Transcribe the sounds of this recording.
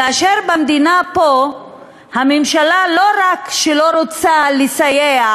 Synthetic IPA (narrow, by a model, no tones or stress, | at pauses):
aʃeʁbamd̪inapo | hamemʃalalo̞ʁakʃelo̞ʁot͡salisajea